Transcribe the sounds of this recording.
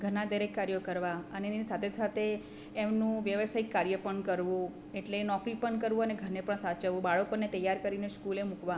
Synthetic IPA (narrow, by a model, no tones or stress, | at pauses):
ɡʱəɾnad̪əɾekːaɾjokəɾʋaənenisat̪ʰed͡ʒsat̪ʰeː | mnũʋjəʋəsaikːaɾjəpəɳkəɾʋũ | eʈlenɔkɾipəɳkəɾʋũəneɡʱəɾnepəɳsat͡ʃəʋũbaɭəkonet̪əjːaɾkəɾineskulemukʋa